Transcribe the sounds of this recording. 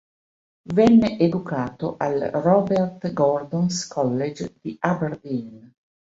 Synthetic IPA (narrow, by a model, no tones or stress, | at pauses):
vɛnːeʔed̪ukaːt̪oʔalrɔbert̪ɡɔrd̪onskʰɔlːed͡ʒd̪̥iaberd̪in